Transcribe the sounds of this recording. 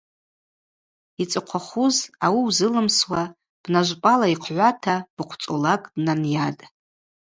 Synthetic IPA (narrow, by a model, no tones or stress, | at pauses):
it͡sʼɨqʷʰaχuzawiwzɨlɨmswa | b̥naʒʷpʼalaiqʰʕʷatʰab̥ɨqʷʰt͡sʼolakʼdnanjatʼ